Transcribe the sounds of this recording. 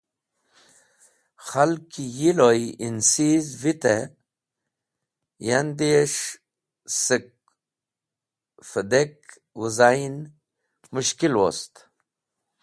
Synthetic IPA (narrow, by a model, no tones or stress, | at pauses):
xalkijilojinsizvit̪e | jand̪eʂ | sək̚ | fəd̪ek | wəzajn | muʃkilwo̰st̪